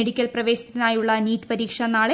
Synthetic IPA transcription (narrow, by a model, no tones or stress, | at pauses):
eɽikʲːɐlprɐʋe̞ːɕi̥t̪ːinaːjuɭːɐniːt̪ːi̥pɐɾiːkʂɐnaːɭe